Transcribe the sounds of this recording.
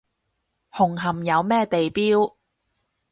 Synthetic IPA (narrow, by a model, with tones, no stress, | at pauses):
hʊ˨˩ŋɦɐ˨˩mjɐ˨˧wmɛː˥˧t̪e˨jpiː˥w